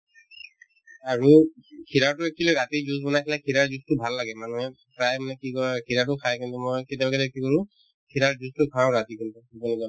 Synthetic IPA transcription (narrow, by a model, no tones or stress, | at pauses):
aɹukʰiɹaɹtʊekʰileɹatizuzbɔnajkʰilakʰiɹaɹzustʊbʱalːaɡɛmanuɦɛ | pɹajmanɛkikɔɹɛkʰiɹatʊkʰajkintumɔjket̬jabakɛlkikɔɹʊ̃ | kʰiɹaɹzustʊkʰaʊ̃ɹatikintubɔnikɔ